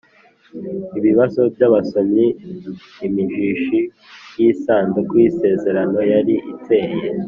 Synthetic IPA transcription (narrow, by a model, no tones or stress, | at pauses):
iβiβaso̞bjaβasomiː | miʒiʃi | jiːsaːnzekwiːse̞ːze̞ɾano̞jaɾiʔite̞ːje